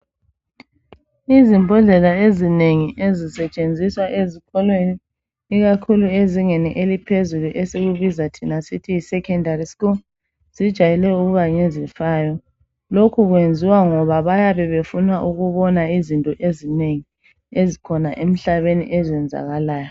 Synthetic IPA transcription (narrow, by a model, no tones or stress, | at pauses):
izimbʱɔɮɛlaezineŋiʔezisɛt͡ʃʼend͡zʱiswaʔezikʰɔlweniː | ɣakʰulueziŋeniʔelipʰezuluʔɛseɣuβizatʰinasitʰiːsɛkʰɛndariskul | z̥id̥ʒ̥ʱajɛlɛuɣuɣaɲɛzifaːjɔ | lokʰuɣwend͡zʱiwaŋɔβaβajaβɛβefunwaʔuɣuβɔnaizintʼɔʔezineŋi | ezikʰɔnaʔem̩ɬaβenḭʔɛzɛnd͡zʱa̰ɣalaːjɔ